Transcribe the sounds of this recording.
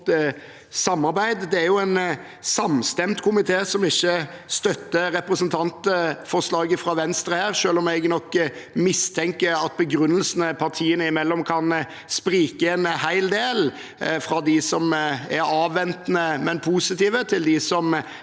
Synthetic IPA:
sɑmːɑɾbæɪd̪d̪ɛæjʊɛn | sɑmst̪ɛmt̪kʰʊmɪt̪ʰeːsɔmɪçːəst̪œt̪ːəɾɛpɾəsənt̪ʰɑnt̪fɔʂlɑːɡəfɾɑːʋɛnst̪ɾəhæːɾʂøːlɔmɛɡnɔkːmɪst̪ʰɛŋkəɾɑt̪̚bəɡɾʉnːəlsənəpʰɑɾt̪ʰiːənəɪmɛlːɔmkʰɑn | spɾiːkəɛnhæɪld̪eːl | fɾɑd̪ɪsɔmæɾɑːʋːɛnt̪nəmɛnpʰuːsɪt̪iːʋət̪ʰɪld̪ɪsɔm

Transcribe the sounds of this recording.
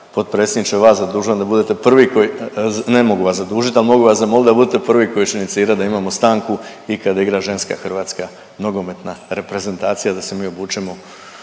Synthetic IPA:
po̞t̪pɾe̞t̪sʲed̪it͡ʃeʋaːszad̪uːʒuand̪abud̪et̪e̞pr̩ʋikonemo̞ɡuʋaszad̪uːʒit̪alimo̞ɡuʋaszamolid̪abud̪et̪epr̩ʋiko̞jiʃinit̪siːɾad̪aimamo̞st̪aːŋku | ikad̪aiɡɾaʒe̞nska̰xr̩ʋaːt̪ska | noɡo̞me̞t̪naɾe̞pɾe̞ze̞nt̪aːt̪sijad̪ase̞miːobuːt͡ʃemo̞

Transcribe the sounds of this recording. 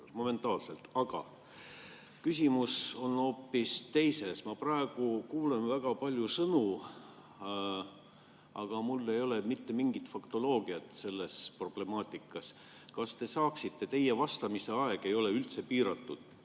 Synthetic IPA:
mo̞me̞nt̪ˑɑːlse̞lt̪ɑɡ̥ɑ̰ | kysʲimuso̞no̞ːpːist̪e̞jse̞smɑprɑe̞ɡ̥ukuːle̞nvæɡ̥ɑpɑlʲjusɤnu | ʔɑɡ̥ɑmulːe̞jo̞le̞mit̪ːe̞miŋɡit̪fɑkt̪o̞lo̞ːɡ̥iɑt̪ˑse̞lːe̞spro̞b̥le̞mɑːt̪ˑikːˑɑs | kɑst̪e̞sɑːksit̪ːe̞t̪e̞je̞vɑst̪ɑmise̞ɑe̞ɡ̥e̞jo̞leylt̪se̞piːɾɑt̪ːˑud̪̥

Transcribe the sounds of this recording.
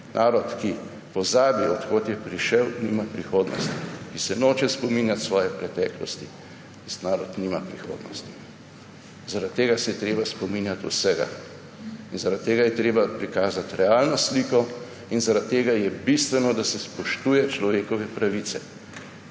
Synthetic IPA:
nʔaːɾɔt̪ki | pɔzaːbiɔt̪kot̪jɛpɾiʃɛwniːmapɾixoːd̪nɔ̰st̪ikisɛnoːt͡ʃɛspɔmiːnjat̪sʋɔːjɛpɾɛt̪ɛːklɔ̰st̪i | t̪ist̪naːɾɔt̪niːmapɾixo̰ːd̪nɔ̰st̪i̥ | zaɾat̪ːeːɡasɛjɛt̪ɾeːbaspɔminjat̪ṵsɛɡa̰ | inzaɾat̪ːeːɡajɛt̪ɾeːbapɾikaːzat̪ɾɛaːlnɔsliːkɔ | inzaɾat̪̚t̪ːeːɡajɛbist̪ʋɛnɔd̪asɛspɔʃt̪uːjɛt͡ʃlɔʋeːkɔʋɛpɾaʋit̪sɛ

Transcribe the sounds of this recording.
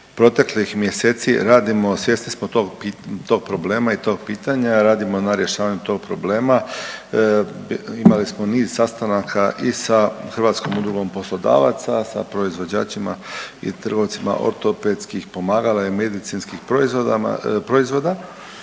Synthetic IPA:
pɾo̞t̪e̞klixmje̞seːt̪siɾaːd̪imo̞sje̞snismot̪oɡpit̪o̞ːɡ̚pɾo̞ble̞ːmait̪o̞ːɡ̚piːt̪aɲaɾaːd̪imo̞naɾje̞ʃaːʋaɲut̪o̞ːɡ̚pɾo̞bleːma | imalismo̞niːz̥sast̪anakʰaʔisaxrʋaːt̪sko̞mud̪ɾuɡo̞mpo̞slˠo̞d̪a̰ːʋa̰t̪sasa̰pɾo̞izʋod͡ʑa̰ːt͡ʃimaḭt̪r̩ɡo̞ʋt̪sima̰ʔo̞̰ɾt̪o̞ped̪skixpo̞maːɡalajemed̪it̪sinskixpɾoizʋo̰pɾo̞izʋo̞d̪a

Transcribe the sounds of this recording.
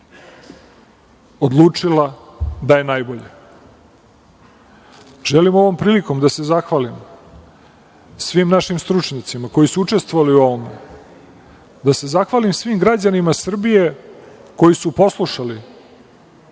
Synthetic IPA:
od̪lˠuːt͡ʂilad̪aje̞najbo̞ʎe | ʒ̥elimo̞ʋo̞mpɾiːliko̞md̪ase̞zaxʋalim | sʋiːmnaʃimst̪ɾut͡ʂɲat̪simako̞jisuut͡ʂe̞st̪ʋoʋaliuoma̰ | d̪ase̞zaxʋalimsʋiːmɡɾad͡ʑanimasr̩bije̞ko̞jisupo̞slˠuʃali

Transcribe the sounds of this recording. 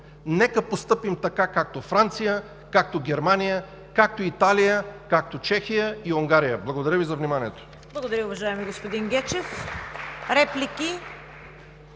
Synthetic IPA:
nɛkəpost̪ɤpimt̪ɐkakak̚t̪ofɾant̪sijə | kak̚t̪oɡʲɛɾmanijə | kak̚t̪oit̪alijəkak̚t̪ot͡ʃɛxijəiʊŋɡaɾijəblˠɐɡod̪ɐɾʲəvizɐvnimaniɛt̪o̥ | blˠɐɡoʊd̪ɐɾʲəʊvɐʒaɛmiɡospʊd̪iŋɡʲɛt͡ʃɛf | ɾɛplikʲi

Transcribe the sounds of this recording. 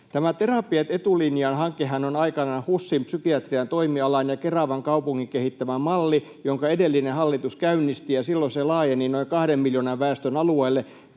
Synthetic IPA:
t̪æmæt̪erɑpiɑt̪et̪uliniɑnhɑŋkehænonɑikɑnɑhusːimpsykiɑt̪riɑnt̪oimiɑlɑnjɑkerɑʋɑŋkɑupuŋːikehit̪ːæmæmɑlːi | joŋkɑedelːinehɑlːit̪uskæynːist̪ijɑsilːoselɑːjeninoikɑhdemmiljonɑʋʋæest̪ønɑlueilːe

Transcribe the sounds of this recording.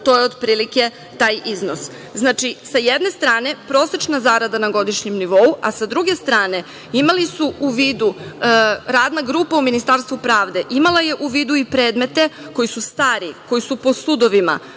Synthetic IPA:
t̪o̞jeo̞d̪pɾiːlike̞ | t̪aːjiznos | znaːt͡ʃisajed̪ne̞st̪ɾaːne̞pɾo̞ːse̞t͡ʃnazaːɾad̪anaɡo̞d̪iʃɲemniʋo̞ua̰sad̪ɾuɡe̞st̪ɾaːne̞ | imalisuuʋiːd̪u | ɾaːd̪naɡɾuːpauminist̪aːɾst̪ʋupɾaːʋd̪e̞ʔimalaje̞ʔuʋiːd̪uipɾe̞ːd̪me̞t̪e̞ko̞jisust̪aːɾiko̞jisupo̞sud̪o̞ʋima̰

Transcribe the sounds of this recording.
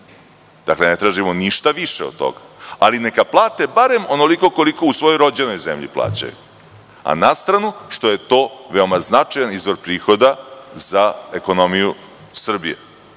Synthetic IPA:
d̪̥akle̞ne̞t̪ɾaːʒimo̞niʃt̪aʋiʃeod̪̚t̪ːo̞̰ɡa | aline̞kaplˠaːt̪e̞baɾe̞mo̞no̞liko̞ko̞liko̞usʋo̞jojɾo̞d͡ʑe̞no̞jze̞mʎipla̰ːt͡ɕa̰jṵ | a̰nast̪ɾanuʂt̪o̞je̞t̪o̞ːʋeo̞maznat͡ʂajanizʋo̞ɾpɾiːxo̞d̪azaeko̞no̞miju | sr̩bijḛ

